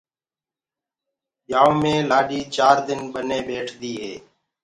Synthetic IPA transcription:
ɓjaːoːmẽːlaːɗiːt͡ʃaːɾd̪ɪnɓəneːɓeːʈʰd̪iːɦeː

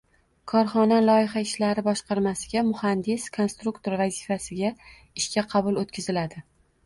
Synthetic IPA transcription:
kʰɒɾχɒnalˠɒjɪχaɪʃlaɾɪbɒʃqʰɑɾmasɪɡʲamʊhand̪ɪskʰo̞nst̪ɾukt̪ʰoɾvazɪfasɪɡʲa | ɪʃkʲaqʰɑbʊlˠot̪kʲɪzɪlad̪ɪ

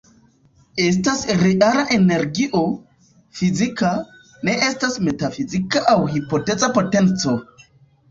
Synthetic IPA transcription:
estasɾealaʔeneɾɡiʔo | fizika | neʔestasmetafizikaʔawhipotet͡sʼapotent͡so

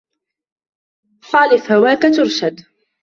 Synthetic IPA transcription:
xɑːlɪθhawaːkat̪ʊɾʃad̪

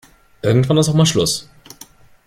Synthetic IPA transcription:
ʔɪɐɡŋ̩tv̥anɪstaʊxmaːlʃlʊs

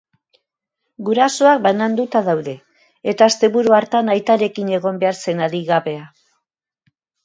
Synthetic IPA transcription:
ɡuɾaso̞ak̚banand̪ut̪aðawðe̞ | et̪aːst̪e̞βuɾuaɾt̪anajt̪aɾe̞kine̞ɣo̞mbe̞aɾse̞naɾiɣaβe̞a

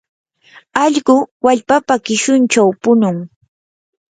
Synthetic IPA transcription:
ɑʎɢʊwaʎpapakɪʃʊnt͡ʃawpʊnʊŋ

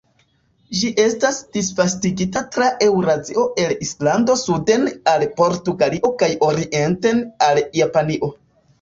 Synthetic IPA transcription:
d͡ʒiʔe̞stasd̥isfastiɡitatɾaʔe̞wɾazio̞ʔe̞lislando̞sude̞nalpo̞ɾtuɡaliʔo̞kajo̞ɾiʔe̞nte̞naljapaniʔo̞

